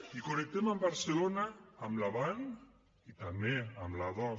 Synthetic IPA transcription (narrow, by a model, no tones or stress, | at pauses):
ikonek̚t̪emambaɾselonaːmlaβan | it̪ameamlaðɔ